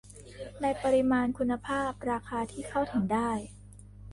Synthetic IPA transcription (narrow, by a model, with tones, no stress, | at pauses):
na˧jpa˧ɾi˧maː˧nkʰu˧nːa˧pʰaː˥˩p̚ɾaː˧kʰaː˧t̪ʰiː˥˩kʰa˥˩wt̪ʰɯ˩˦ŋdaː˥˩j